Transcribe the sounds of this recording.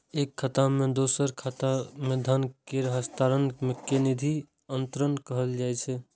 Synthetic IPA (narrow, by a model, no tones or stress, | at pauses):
eːkʰːət̪amẽd̪osəɾkʰat̪amẽd̪ʱənkeɾəɦəst̪aɾənmekenid̪ʱi | ənt̪ɾənkəɦəld͡ʒaɛt͡ʃʰɛ